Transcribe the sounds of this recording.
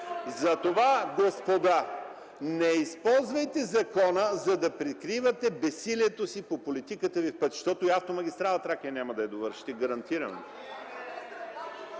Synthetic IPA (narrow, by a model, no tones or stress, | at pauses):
zɐt̪ovaɡospod̪a | nɛispɔlˠzvəjt̪ɛzɐkɔnəzɐd̪ɐpɾɛkɾivɐt̪ɛbɛsiliɛt̪osipopolit̪ikət̪əvifpət̪ʃt̪ɔt̪oiaft̪omɐɡʲist̪ɾalˠɐt̪ɾakiɐnʲaməd̪ɐɛd̪ovəɾʃi̥t̪iɡɐɾɐnt̪iɾɐ̰no̰